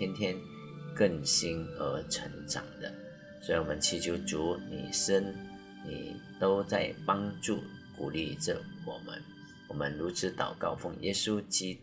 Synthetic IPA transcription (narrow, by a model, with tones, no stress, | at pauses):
jɛ˥nt̪ʰjɛ˥n | kə˥˩ŋɕi˥nə˧˥ʈ͡ʂʰə˧˥ŋʈ͡ʂɑ̰˨˩ŋd̪ə˦ | swɔ˧˥i˧˩wɔ˨˩mə˦nt͡ɕʰi˧˥t͡ɕju˧˥˩t͡su˧˥nḭ˨˩ʂə˥n | nḭ˨˩t̪o˥ʊt͡sa˥˩ɪpɑ˥ŋʈ͡ʂu˥˩ku˨˩li˥˩ʈ͡ʂə˨˩wɔ̰˨˩mə̰˦n | wɔ˨˩mə˦nɻu˧˥t͡sʰɻ̩˧˥t̪ɑ̰˨˩ʊkɑ˥˧ʊfo˥˩ŋjɛ˥su˦t͡ɕi˥